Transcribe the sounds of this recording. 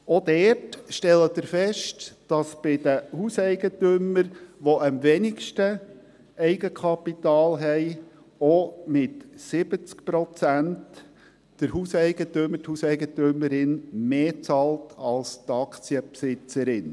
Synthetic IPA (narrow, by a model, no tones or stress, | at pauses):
od̥ɛːtʃtɛlːədəɾfɛʃtd̥ɑsb̥ɪd̥əhuːsɛɪɡ̥ətøməɾʋoʔəmvɛnɪkʃtə | ɛɪɡəkʰɑpitɑːlɦɛɪ | omɪtsɪb̥ət͡skpɾɔt͡sænt | d̥əɾhusɛɪɡ̥ətøməthuːsɛɪɡətʏməɾɪnmeːt͡sɑltʰɑlst̪ɑkt͡siəpsɪt͡səɾɪn